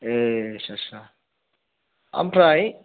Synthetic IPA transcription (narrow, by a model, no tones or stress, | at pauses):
ɛʃaʃa | a̰mpʰraj